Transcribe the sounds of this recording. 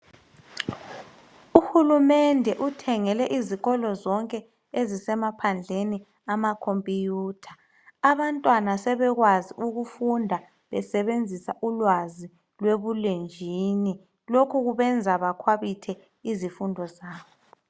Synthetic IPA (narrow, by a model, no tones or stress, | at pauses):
uhulumɛndʱɛʔutʰɛŋɛlɛʔiziɣɔlɔzɔŋkʼɛ | ezisɛmapʰand͡ɮʱeni | amakʰompʼijuːtʰḁ | aβantʼwanasɛβɛɣwaziuɣufundʱa | βɛsɛβend͡zʱisaʔulwazi | lweβulend͡ʒʱini | lokʰuɣuβɛnd͡zʱaβakʰwaβitʰɛ | izifundʱɔzaːβɔ